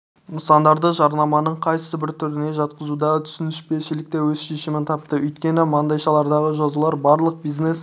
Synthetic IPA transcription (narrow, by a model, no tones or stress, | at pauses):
nəsɑnd̪ɑɾd̪əʒɑɾnɑmɑnəɴqʰɑjt̪ə̥səbɪɾt̪ʰʏɾɪne̞ʒɑt̪qəzud̪ɑt̪ʰʏ̥sɪnɪʃpe̞ʃɪlɪk̚t̪ewɵz̥ʃe̞ʃɪmɪnt̪ʰɑp̚t̪əʔʏjt̪kʲe̞nɪmɑnd̪ɑjʃɑlˠɑɾd̪ɑʁəʒɑzulˠɑɾbɑɾlˠəq̚bijznes